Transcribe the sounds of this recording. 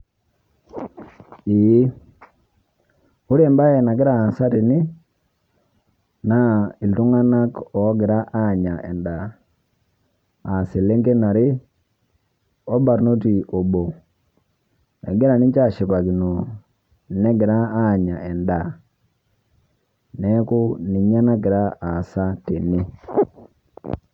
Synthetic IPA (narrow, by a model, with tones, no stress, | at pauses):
i˨˦ | u˦ɾi˦ɛ˨mba˦ɛ˨na˨ɡɪ˦ɾaː˨nsa˦ti˨ni˦ | na˦i˨ltu˦ŋa˦na˦kɔ˨˦ɡɪ˨ɾa˦ʔa˦˨ɲa˨ʔɛ˨nda˨ | a˨se˨le˦ŋɡe˦na˨ɾɪ˦ | ɔ˦ba˨ɾno˦ti˨o˨bo˨ | ɛ̰˨ɡɪ˦ɾa˨ni˦ɲt͡ʃa˦˨ʃi˨pa˨ki˨no˨ | nɛ˦ɡɪ˨ɾa˦a˦˨ɲa˨ɛ˨nda˨ | nɛ˦ku˦ni˨ɲa˦na˦ɡɪ˨ɾa˦a˨sa˦te˨ni˦